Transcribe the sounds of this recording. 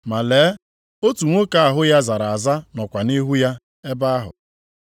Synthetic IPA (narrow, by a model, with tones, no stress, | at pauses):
ma˨leː˨˦ | o˦tu˨ŋʷo˦ka˦a˨ɦʊ˦ja˦za˨ɾa˨a˨za˦nɔ˨kʷa˨ni˦ɦu˦ja˦ | e˦ba˦a˦ɦʊ̰˨